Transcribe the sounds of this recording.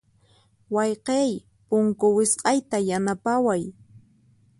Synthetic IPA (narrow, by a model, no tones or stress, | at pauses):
wɑjqej | pʊŋkʊwɪsqʼɑjt̪ajanapawaj